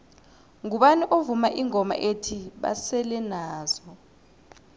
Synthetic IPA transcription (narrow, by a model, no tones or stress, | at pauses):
ŋuɓaniʔovumaʔiŋɔma̰ʔetʰiɓa̰sɛlɛnaːz̥ɔ